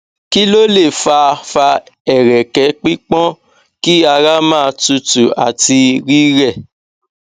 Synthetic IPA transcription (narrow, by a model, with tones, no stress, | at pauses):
ki˦lo˦le˦˨fa˧fa˧ | ɛ˨ɾɛ˨kɛ˨˦k͡pi˦k͡pɔ̃˦ | ki˦a˧ɾa˦mãː˦˧tu˧tu˨a̰˨ti˧ɾi˦ɾɛ˦˨